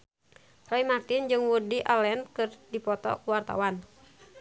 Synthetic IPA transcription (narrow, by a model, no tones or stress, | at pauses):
raimart̪ind͡ʒɨŋwurdiʔalɛnkɨrdipɔt̪ɔ̰kuwart̪a̰wan